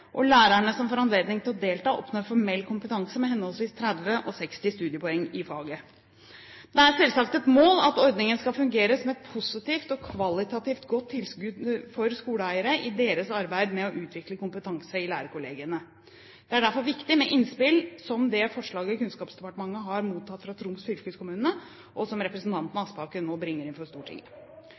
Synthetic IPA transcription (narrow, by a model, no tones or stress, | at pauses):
ʔɔlæːɾæɳəsɔmfɔɾɑnleːd̪nɪŋt̪ɪlɔd̪eːlt̪ɑːʔɔ̰pnoːɾfɔɾmɛlːkʰʊmpət̪ʰɑŋsəmɛhɛnːhɔlsʋiːst̪ʰɾæd̪ʋəʔɔsɛkst̪ɪst̪ʉːd̪ɪəpɔɛŋːɪfɑːɡə | d̪ɛæɾsɛlsɑkt̪ɛt̪moːlɑ̰t̪ɔɾd̪nɪŋənəskɑlfʉŋɡeːɾəsɔmɛt̪̚pʰʊsɪt̪iːft̪ɔkʰʋɑlɪt̪ɑt̪ɪːft̪ɡɔt̪ʰːɪlskʉːd̪fɔɾskuːləæɪəɾəʔɪd̪eːɾəsɑɾbæɪd̪mɛɔʔʉːt̪ʰʋɪkləkʊmpət̪ʰɑŋsəɪlæːɾəkʊleːɡɪənə | d̪̥ɛæɖæɾfɔɾʋɪkt̪ɪmɛʔɪnspɪlsɔmd̪ɛfɔʂɭɑːɡəɔkʉnskɑːpsd̪ɛpɑʈəmɑŋːəɦɑɾmuːt̪ʰːɑt̪fɾɑt̪ʰɾʊmsfʏlkəskʊmʉːnə | ʔɔsɔmɾɛpɾəsnt̪ʰɑnt̪ənɑɑspɑːkənoːbɾɪŋːəɾɪnfɔst̪uːʈʰɪ̰ŋ